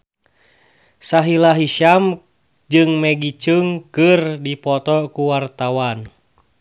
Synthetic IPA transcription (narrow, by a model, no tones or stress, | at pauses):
saɦilaɦiʃam | d͡ʒɨŋmɛɡit͡ʃɨŋkɨrdipɔt̪ɔkuwart̪awan